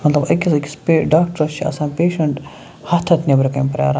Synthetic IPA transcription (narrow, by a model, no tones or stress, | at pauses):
mɐt̪lɐbɐkʲizɐkʲi̥speːɖaːkʈɐɾt͡ʃʰiɐ̰sãːnpeːʃɐɳʈ | hɐt̪ʰɐt̪nʲebɾɐkɐjmpɐɾʲja̰ːɾa